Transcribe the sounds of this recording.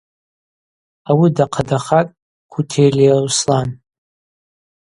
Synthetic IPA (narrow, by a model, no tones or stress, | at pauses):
awidaqʰadaχatʼ | kʰʷutʰejliawslan